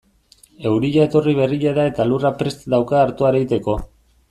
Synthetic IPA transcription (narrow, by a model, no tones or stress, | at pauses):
e̞wɾiʎae̞t̪o̞riβ̞e̞riʎaðae̞t̪alurapɾe̞st̪d̪awkaːɾt̪uaɾeɣit̪e̞ko̞